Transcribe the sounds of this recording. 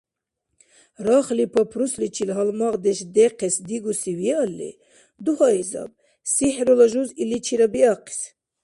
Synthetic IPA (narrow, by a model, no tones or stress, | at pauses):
ɾɑχlipʰɐpʰɾuslit͡ʃʰilɦɑlmɑʁd̪ɛʃd̪ɛqʰɛsd̪iɡusiwijɛɑlːḭ | d̪uhɑizɑ̰b̚ | siħɾolɐʒuzilit͡ʃʰiɾabiɑqʰi̥s